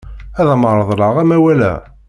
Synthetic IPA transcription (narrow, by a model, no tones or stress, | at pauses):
æðæməɾˤəðˤɾəʁæmæwælæ̰